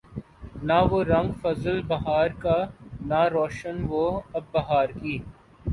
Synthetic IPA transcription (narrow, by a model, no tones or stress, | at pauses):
naʋoɾɐ̃ŋɡfɐzəlbɐɦaːɾkanaɾoːʃənʋoɐbːɐɦaːɾkiː